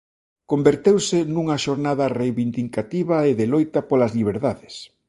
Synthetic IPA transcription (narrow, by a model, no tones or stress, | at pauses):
kombeɾt̪ewsɪnuŋɐʃoɾnaðɐrejβind̪ikat̪iβɐeðelojt̪ɐpolɐzliβ̞eɾðaðɪs